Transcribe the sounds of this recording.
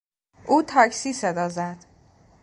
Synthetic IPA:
ʔuːt̪ʰæcʰsiːsed̪ɒːzæd̪̥

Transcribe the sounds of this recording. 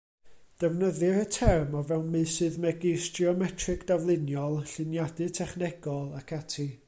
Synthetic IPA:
d̥ɛvnəðɨɾətʰɛrmɔvɛwnmɨsɨðmɛɡɪsd̥iɔmɛtʰrɨkʰd̥avlˠɨnjɔlˠɬɨnjadɨtʰɛχnɛɡɔlˠakʰatʰi

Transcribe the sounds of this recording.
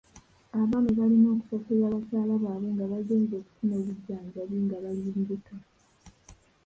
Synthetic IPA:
aβaːnuβalino̞ːku̥sosezaːβasaːlaβaːβweːŋɡaβaɡeːɲzo̞ːku̥sunoːβuɟːaːɲɟaβweːŋɡaβaliumbuto

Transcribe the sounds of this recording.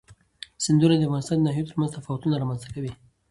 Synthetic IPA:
sɪnd̪uɾad̪əafɣɑnɪst̪ɑ̃ːnd̪ənɑɦijot̪əɾmanzt̪afɑwat̪unaɾɑmanzt̪ḁkawi

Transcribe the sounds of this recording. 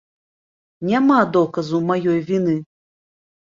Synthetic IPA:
nʲamad̪ɔkɐzumajɔjvʲinɨ

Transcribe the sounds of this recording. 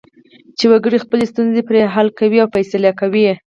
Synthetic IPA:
t͡ʃewaɡəɽixpəlest̪unzepɾeɦalkawiawpajsalakawi

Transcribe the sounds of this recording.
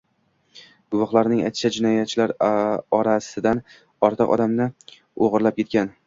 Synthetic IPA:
ɡ̥ʊvɒχlˠaɾnɪŋa̰jt̪ʃʰad͡ʒɪnɒjat̪̚t͡ʃʰːɪlaɾɒɾasɪd̪an | ɒɾt̪ʰɨqɒ̰d̪amnɪ | oʁɨɾlap̚kʲʰe̞t̪̚kʲan

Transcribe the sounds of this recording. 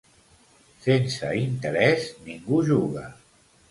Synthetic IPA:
sensə̰int̪əɾɛzniŋɡuʒuɣə

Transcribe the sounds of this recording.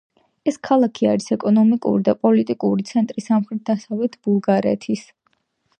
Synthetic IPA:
ɛskʰalˠakʰia̰ɾisɛkʼɔnɔmikʼṵɾid̪apʼɔlit̪ʼikʼuɾit̪sʰɛnt̪ʼɾisamχɾɛt̪̚d̪asavlɛt̪ʰb̥ulˠɡaɾɛ̰t̪ʰis

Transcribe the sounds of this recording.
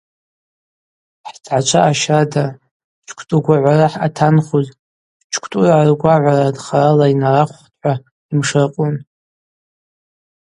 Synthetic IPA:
ħd͡zʰʼʕat͡ʃʷʰaʔaʃada | t͡ʃʷʰkʷʰtʼuɡʷaʕʷaraħatʰanχuz | t͡ʃʰkʷʰtʼuraʕarɡʷaʕʷaɾadχaɾalainaraχʷχtʰʼħʷa | imʂarqʼʊn

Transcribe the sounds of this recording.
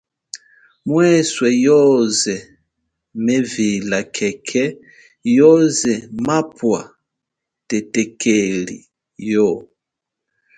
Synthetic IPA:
mwɛswɛjɔzɛ | mɛvilakʰɛkʰɛ | jɔzɛmapwa | tɛtɛkʰɛlḭ | jɔ

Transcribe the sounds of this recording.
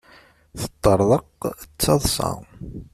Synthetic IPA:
θə̥t̪ˤːəɾˤðˤəqt͡sːɑðˤsɑ̰

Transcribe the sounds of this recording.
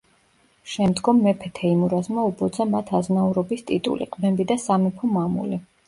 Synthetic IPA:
ʃɛmd̪ɡɔmːɛpʰɛt̪ʰɛimuɾazmaubɔd̪zamat̪ʰaznauɾɔbist̪ʼit̪ʼṵlḭqʼbɛmbid̪asamɛpʰɔmamṵli

